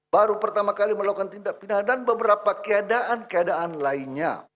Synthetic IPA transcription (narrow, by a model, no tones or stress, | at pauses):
b̥aɾupərt̪amakaliməlaukant̪indaʔpinardanbəbəɾapakəadaʔankəadaanlainɲa̰